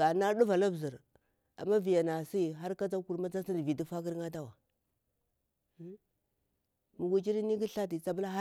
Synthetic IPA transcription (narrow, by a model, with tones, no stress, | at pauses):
a˨na˦ɗu˦va˨la˦bzi˨ɾ | a̰˨mːa˦vi˨ja˨na˨si˦ɦa˦ɾka˦d͡za˦ku˨ɾma˦d͡za˦i˦dvi˨di˦fa˦ɡi˦ɾŋa˦da˦wa˨˦ | mu˨ɡu˨d͡ʒi˦ɾi˦ni˦ɡi˦ɬa˦ti˨t͡sa˦bu˦la˦